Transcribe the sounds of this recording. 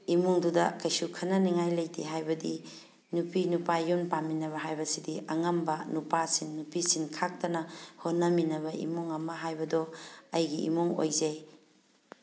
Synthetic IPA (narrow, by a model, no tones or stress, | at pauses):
imuŋdudɐkɐjsukʰɐnɐniŋajlɐjtʰiɦajbɐdi | nupʰinupajːunpaminɐβɐɦajbɐsidiʔɐŋɐmbɐnupasinːupisinkʰak̚tɐnɐhonːɐminɐβɐḭmuŋɐmɐɦajbɐdɔɐjɡiḭmuŋo̰jzej